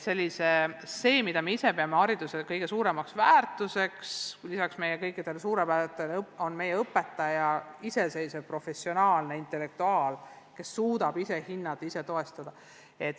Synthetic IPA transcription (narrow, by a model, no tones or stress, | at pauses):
se̞lʲːise̞se̞ːmid̪̥ɑmeise̞pe̞ɑmeɑɾid̪̥usekɤjɡe̞suːɾe̞mɑksvæːrt̪ˑuse̞kslisɑksme̞jekɤjkːˑid̪̥e̞lsuːɾepæt̪ːˑelo̞nme̞jeɤpːˑe̞t̪ːˑɑjɑise̞se̞jːsepro̞fe̞sio̞nɑːlne̞int̪ˑe̞lːe̞k̚t̪uɑːl | ke̞sːuːd̪̥ɑb̥ise̞hinːɑt̪ːˑise̞t̪o̞e̞st̪ɑd̪ɑ | e̞t̪ːˑ